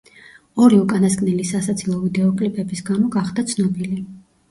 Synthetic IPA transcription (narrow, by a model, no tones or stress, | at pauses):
ɔɾiukʼanaskʼnɛlisasat̪sʰilˠɔvid̪ɛɔkʼlipʼɛbisɡamɔɡaχd̪at̪sʰnɔbili